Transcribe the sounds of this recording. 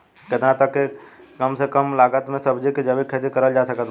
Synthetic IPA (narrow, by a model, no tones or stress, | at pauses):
ket̪nãt̪əkːe | kəmsekəmlaɡət̪mesəbʱd͡ʒiked͡ʒəbikʰed̪ikəɾəld͡ʒasəkət̪